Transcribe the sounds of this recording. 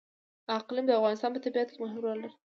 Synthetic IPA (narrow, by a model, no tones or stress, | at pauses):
aqlimd̪əafɣɑnɪs̬t̪ɑnpət̪abiat̪kemʊɦɪmɾald̪a